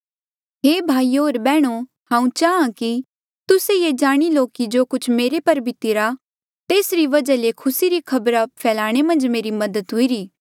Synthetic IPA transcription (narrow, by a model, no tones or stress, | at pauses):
ɦeːbʱaːioːɾbɛːɽ̃o | hãːũt͡ʃaːãki | t̪ʊsejed͡ʒaːɽ̃iloːkid͡ʒoːkʊt͡ʃʰmeːɾepɐɾbʱɪt̪iɾa | t̪eːsɾiʋɐd͡ʒalekʰʊsiɾikʰɐbɾapʰɛːlaːɽ̃emɐ̃nd͡ʒmeːɾimɐd̪ət̪ɦʊiɾiː